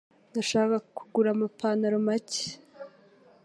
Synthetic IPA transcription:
ndaʃaːkakuɡuɾamapʰaːnaɾomace̥

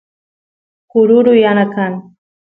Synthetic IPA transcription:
kʊɾʊɾʊjanakaŋ

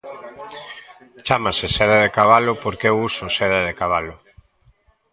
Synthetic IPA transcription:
t͡ʃamaseseðeðekaβ̞alʊpoɾkewusoseðeðekaβalʊ

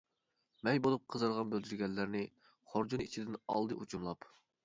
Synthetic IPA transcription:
mɛjbolˠup̚qʰəzɨɾʁɑnbøld̪yɾɡʲɛlːæɾnɪ | χoɾd͡ʒunit͡ʃʰid̪ɪnɑ̰lˠd̪ɨʔut͡ʃʰumlˠɑp

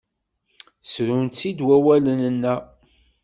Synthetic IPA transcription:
sɾunt̪t͡sːid̪wæwælənənːæ

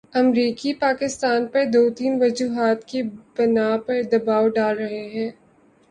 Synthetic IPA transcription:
ɐmɾiːkipaːkɪst̪aːnpɐɾd̪oːt̪iːnʋɐd͡ʒuːɦaːt̪kebɐnaːpɐɾd̪ɐbaːwɖaːlɾɐɦeɦɛ̃ː

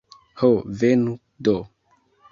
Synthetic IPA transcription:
hovenu | do

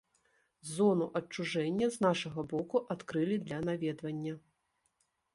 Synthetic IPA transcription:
zɔnuʔɐt͡ʂːuʐɛnʲːɐznaʂɐɣɐbɔkuʔat̪kɾɨlʲid̪lʲɐnavʲɛd̪vɐnʲːɐ

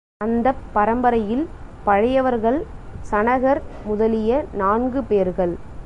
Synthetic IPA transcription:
ɐnd̪ɐpːɐɾɐmbɐɾɐjɪlpɐɻɐjɐʋɐɾɣɐɭsɐnɐɣɐɾmʊðɐlɪjɐnaːnɡɯpeːɾɣɐɭ

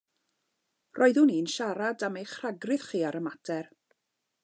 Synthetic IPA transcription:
rʔɔɨðuniːnʃaɾadamejχraɡrɪð̥χiːaɾəmatʰɛr

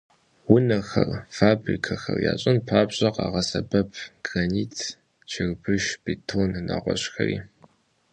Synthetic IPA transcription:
wʊnɐxɐrfaːbrikʰɐxɐ̰rja̰ːɕʼɪnpʰaːbɕʼɐqɑːʁɐsɐbɐpʰɡ̥raniːtʰ | t͡ʃʰɪrbʰɨʃb̥itʰonːa̰ʁʷɔɕxɐriː

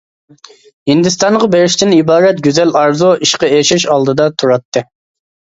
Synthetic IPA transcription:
hind̪ɪst̪ɑɴʁɑbeɾɪʃt̪ɪnibɑːɾɛt̪̚ɡʲyzɛlɑɾzoʔiʃqɑeʃɪʃɑlˠd̪ɨd̪ɑt̪ʰuɾɑt̪ʰːɨ

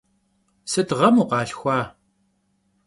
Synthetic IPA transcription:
sɨtʁɐmuːqɑːɬxʷɑː

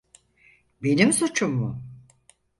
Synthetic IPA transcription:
be̞nimsot͡ʃʰumːʊ

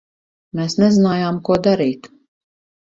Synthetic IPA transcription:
meːsnɛzinaːjaːmkuɔd̪aɾiːt̪

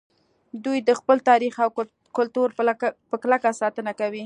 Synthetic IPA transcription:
d̪ujd̪əxpəlt̪ɑɾixaw | kʊlt̪uɾpəklakasɑt̪ənakawi

